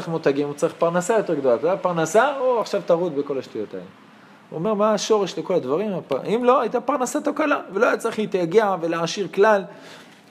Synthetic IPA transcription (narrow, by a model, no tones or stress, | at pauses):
iχmot̪aɡimut͡saʁiχpaʁnasajo̞t̪e̞ʁɡd̪olat̪otapaʁnasaoaχʃavt̪aʁut̪be̞ko̞laʃt̪ujo̞t̪aḛle | uome̞ʁmaːʃo̞ʁeʃleko̞lad̪vaʁimapaʔimlo̞ajit̪apaʁnasat̪okalavelo̞ajat͡saʁiχleit̪jaɡeave̞leʕaʃiʁklal